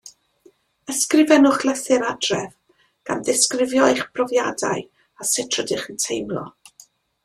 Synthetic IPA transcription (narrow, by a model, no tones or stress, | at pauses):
əskrɪvɛnʊχlˠɛθɨɾadrɛv | ɡ̥anðɪskrɪvjɔjχb̥rɔvja̰da̰ɨ | asɪtʰrɔdɪχəntʰejmlˠɔ̰